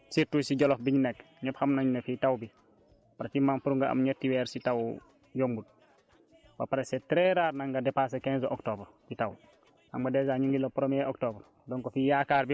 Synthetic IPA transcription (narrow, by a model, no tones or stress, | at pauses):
siɾtusiɟolofbiɲnek | ɲephamnaɲnefitawbi | paɾat͡ʃimanpuɾuŋɡaa̰mɲetːiweɾsitaw | jombud̚ | ba̰paɾasetɾeɾaːɾnaŋɡadepas̬ekenzoʔoktoːbɾbitaw | aŋbadezaɲuŋɡilːopɾomieoktobɾ | doːŋkofijakaːɾbi